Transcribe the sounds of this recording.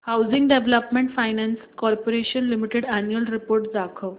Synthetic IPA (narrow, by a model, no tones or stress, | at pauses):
hawd͡ziŋɡɖeʋləpmẽɳʈfajnɛnskɔɾpoɾeɕənlimiʈeɽænjuəlɾipoɾʈd͡z̪akʰəw